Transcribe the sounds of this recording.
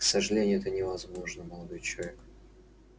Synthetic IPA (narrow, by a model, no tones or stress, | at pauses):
ksəʐɨlʲenʲɪjʊɛt̪ənʲɪvɐzmo̞ʐnəməlˠɐd̪o̞jt͡ɕɪlˠɐvʲek